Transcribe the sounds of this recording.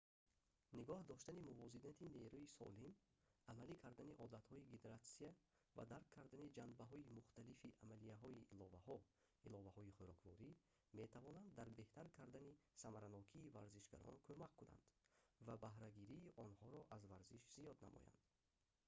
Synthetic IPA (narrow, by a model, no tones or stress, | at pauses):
niɡɔhd̪ɔʃt̪animuvɔzid̪ent̪ʰine̞ɾuisɔ̰lim | amalikʰaɾd̪aniʔɔd̪at̪hɔiɡed̪eɾat̪sia | va̰d̪aɾkʰːaɾd̪anid͡ʒanbaɦɔimuχt̪alifiʔamalijaɦɔiʔːlɔvahɔ | ilɔvahɔiχoɾɔkvɔ̰ɾi | me̞t̪ʰavɔnand̪ːaɾbe̞ht̪aɾkʰaɾd̪anisamaɾanɔkʰiːvaɾziʃɡa̰ɾɔ̰nkʰømakʰːuna̰nd̪̥vabahɾaɡiɾiːʔɔnhɔɾɔʔazvaɾziʃz̥ijɔd̪na̰mɔ̰ja̰nd̪̥